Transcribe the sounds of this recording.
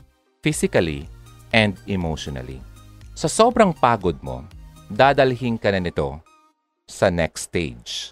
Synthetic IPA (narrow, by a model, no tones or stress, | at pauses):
fisɪkɐlḭ | ʔɛ̃nd̪ɛmowʃɔnɐ̰lḭsɐsoːbɾɐŋpaːɡod̪̚mo̞̰d̪aːd̪ɐlɦɪŋkɐnɐnɪt̪o̞̰ | sɐnɛ̰kst̪ḛjd͡ʒ